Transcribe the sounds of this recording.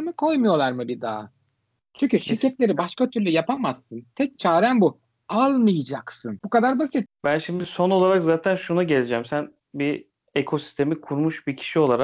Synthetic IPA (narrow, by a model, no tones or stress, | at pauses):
mɯkʰo̞jmɯjo̞lˠaɾmɯbid̪a̰ː | t͡ʃʰyɲcyʃiɾcɛt̪lʲe̞ɾibaʃkat̪ʰyɾlʲɛjapamazːɯnt̪ʰɛc̚t͡ʃʰaːɾænbu | alˠmɯjɯd͡ʒaksɯnbukad̪aɾbasɯt̪bænʃimd̪iso̞no̞lˠaɾakzaːt̪ʰænʃunaɟe̞lʲed͡ʒɛmsæn | bi | ekʰo̞si̥st̪ʰe̞mikʰuɾmuʃbicʰi̥ʃio̞lˠaɾak̚